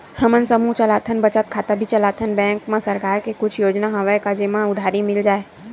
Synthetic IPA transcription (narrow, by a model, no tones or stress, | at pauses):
həmənsəmut͡ʃəlaːt̪ʰənbət͡ʃət̪̚kʰaːt̪abʱit͡ʃəlaːt̪ʰənbɛ̃ːŋkmãsəɾkaːɾkekʊt͡ʃʰjoːd͡ʒnaɦɐʋəjkad͡ʒemãʊd̪ʱaːɾimɪld͡ʒaːe